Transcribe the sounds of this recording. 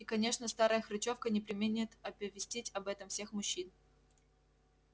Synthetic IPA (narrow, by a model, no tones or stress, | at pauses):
ikɐnʲe̞ʂnəst̪aɾəjəxɾɨt͡ɕofkənʲɪpɾʲɪmʲɪnʲɪt̪ɐpʲɪvʲɪsʲtʲetʲɐbɛt̪əmfsʲe̞xmʊɕːin